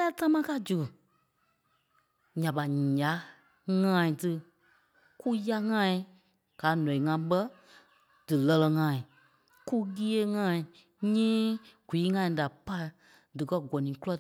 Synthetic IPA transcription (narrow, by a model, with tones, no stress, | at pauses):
a˦ta˦mãː˦ka˧˦˨d͡ʒu˨ɨ˨ | ɲã˨ɓa˨a˨˦ | ŋãː˦ĩ˨tɨ˧ | ku˦ja˧ŋã˦ĩ˧˦ | ɡ̥aː˨˦nɔ̃˨ĩ˨ŋã˧˦ɓə˦ | d̥ɨ˨lɜ˧lɛ˧ŋãː˨˧˨ĩ˨ | ku˦ɡi˦e˦ŋãː˦ĩ˨ | ɲɛ̃ː˦ɡ̥ʷiː˨˦ŋã˧˨ĩ˧da˨pa˦˨ | dɨ˨kɜ˦ɡɔ˨nĩ˨˦ku˦lɔ˦